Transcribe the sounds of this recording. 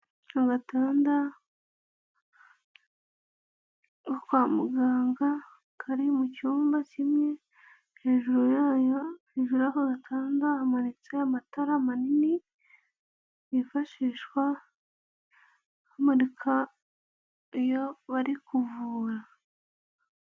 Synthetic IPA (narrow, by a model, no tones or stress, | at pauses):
haɡataːnda | okwaːmuɡaːŋɡa | kʰaɾimucuːmbacimɲe̞ | he̞ːʒuɾojaːjoheːʒuɾaɦoɡatʰaːndahamanit͡sejamataɾamanini | ifaʃiːʃkwa | hamaɾikʰa | joβaɾikuvuːɾa